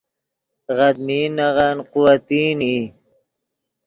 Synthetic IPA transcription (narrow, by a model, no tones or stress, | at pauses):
ɣad̪miːnaʁanqʊwat̪iːniː